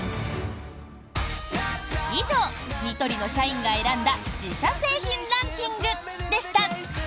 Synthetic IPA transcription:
iʑo̞ːɲʲit̪o̞ɾʲino̞ɕaĩŋɡae̞ɾãnd̪ad͡ʑiɕase̞ːçĩnɾãŋkʲĩŋɡɯ̟ | d̪e̞ɕi̥t̪a

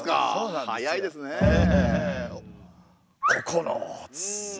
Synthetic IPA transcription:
ka̰onãjaid̪esɨne | kʰokʰono̰t͡s

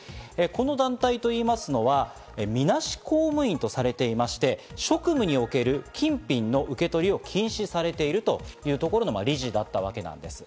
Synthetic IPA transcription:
eko̞no̞d̪ãnt̪ait̪o̞iːmasɨno̞βa | emʲinaɕi̥koːmɯ̟ĩnt̪o̞saɾe̞t̪e̞imaɕi̥t̪e̞ɕo̞kɯ̟mɯ̟ɲ̟io̞ke̞ɾɯ̟kʲʰĩmpʲĩnːo̞ʔɯ̟ke̞t̪o̞ɾʲio̞kʲʰĩɰ̃ɕisaɾe̞t̪e̞iɾɯ̟t̪o̞jɯ̟ːt̪o̞ko̞ɾo̞noma̰ɾʲiʑid̪at̪ːaβ̞ake̞nã̰nd̪e̞sɨ̥

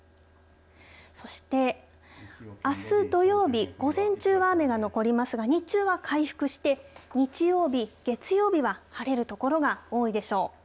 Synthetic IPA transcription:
so̞ɕi̥t̪e̞ | asɨd̪o̞jo̞ːbʲiɡ̥o̞zẽ̞ɲ̟t͡ɕɨːβame̞ɡano̞ko̞ɾʲimasɨɡaɲ̟it͡ɕɨːβakʰaiɸɯ̟̥kɯ̟ɕi̥t̪e̞ɲ̟it͡ɕijo̞ːbʲiɡ̥e̞t͡sɨjo̞ːbʲiβahaɾe̞ɾɯ̟t̪o̞ko̞ɾo̞ɡao̞ːid̪e̞ɕo̞ː

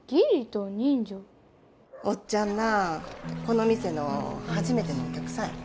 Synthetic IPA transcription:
ɡ̥ʲiɾʲit̪oɲĩɲd͡ʑo | ot͡ɕt͡ɕãnːa | ko̞no̞mʲise̞no̞̰haʑime̞t̪e̞no̞ːkʲakɯ̟̥sãŋ

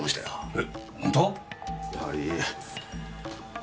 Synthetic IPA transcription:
moɕi̥t̪a̰joehõnt̪ojaha̰ɾi

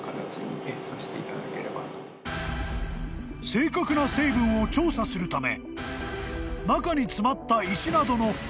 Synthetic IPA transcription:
kat̪at͡ɕiɲʲiẽsaɕi̥t̪e̞it̪ad̪a̰ke̞ɾe̞ba̰ | se̞ːkakɯ̟nase̞ːbɯ̟̃ɰ̃o̞t͡ɕo̞ːsasɨɾɯ̟t̪ame̞̰ | nakaɲ̟it͡sɨmat̪ːaiɕinad̪o̞no̞

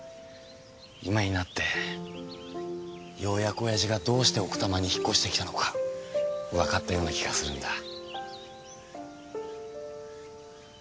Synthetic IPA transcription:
imaɲ̟inat̪ːe̞ | jo̞ːjako̞jaʑiɡad̪o̞ːɕi̥t̪e̞o̞kɯ̟̥t̪amaɲ̟içi̥kːo̞ɕi̥t̪e̞kʲit̪ano̞kḁ | βakat̪ːajo̞ːnakʲiɡasɨɾɯ̟̃nd̪a

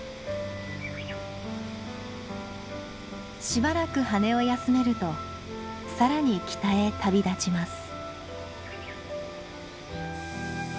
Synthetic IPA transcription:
ɕibaɾakɯ̟hane̞o̞jasɨme̞ɾɯ̟t̪o̞ | saɾaɲ̟ikʲi̥t̪ae̞t̪ʰabʲid̪at͡ɕimasɨ̥

